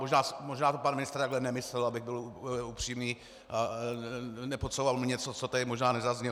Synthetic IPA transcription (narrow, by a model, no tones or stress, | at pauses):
moʒnaːsmo̞ʒnaːt̪opanmɪnɪst̪ɾt̪aɡlɛnɛmɪslɛlabɪɣbɪluupr̝̥iːmɲiː | nɛpot̪sɛbovalmɲɛt͡sot͡sot̪ɛdɪmoʒnaːnɛzazɲɛ